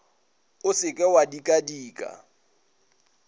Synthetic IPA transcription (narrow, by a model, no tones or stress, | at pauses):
ʊsɪkʼɛwadikʼadiːkʼa̰